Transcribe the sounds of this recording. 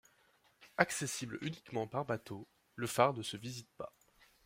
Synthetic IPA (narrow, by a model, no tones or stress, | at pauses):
aksesiblynikmɑ̃paʁbat̪o | ləfaʁnəsəvizit̪̚pa